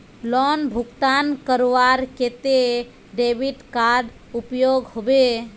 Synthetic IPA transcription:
lɔnbʱukt̪ankəɾoʋaɾket̪e | ɖebiʈkaɖ | upjoɡhobe

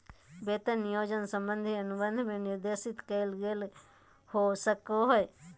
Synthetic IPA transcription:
beːt̪ənjoːd͡ʒənsə̃mbə̃nd̪ʱiɐnʊbə̃nd̪ʱmẽnɪɾd̪eːsɪt̪kəɪlɡel | hosəkoɦoe

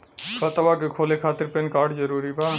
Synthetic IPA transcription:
kɔt̪abakekʰolekʰat̪eɾpenkaɾɖd͡ʒəɾuɾiba

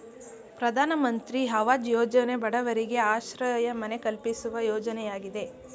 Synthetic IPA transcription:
pɾɐd̪ʱaːnɐmɐnt̪ɾiɦɐʋaːd͡ʒjɔːd͡ʒɐne̞bɐɽɐʋɐɾiɡe̞aːʃɾɐjɐmɐne̞kɐlpisuʋɐjɔːd͡ʒɐnɛjaːɡid̪e̞

